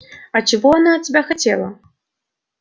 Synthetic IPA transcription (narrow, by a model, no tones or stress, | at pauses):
ɐt͡ʃivɔɐnaːt̪̚ʲtʲibʲaxat͡sʲɛlˠɐ